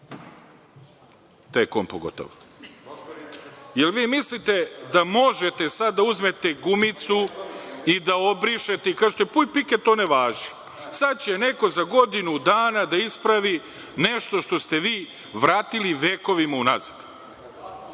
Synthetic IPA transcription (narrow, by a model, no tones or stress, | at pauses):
t̪ekoːmpo̰ɡo̰t̪o̰ʋo | jelʋiːmislit̪ed̪amo̞ʒet̪e̞sad̪ːauzmet̪eɡumit̪su | id̪ao̞bɾiʃet̪eikaʒt̪ojepujpiket̪oneʋaːʒi̥ | sad̪̚t͡ɕene̞ko̞zaɡo̞d̪inud̪aːnad̪aispɾaʋi | neʃt̪o̞ʃt̪o̞st̪e̞ʋiː | ʋɾaːt̪iliʋe̞ːko̞ʋimauna̰zad̪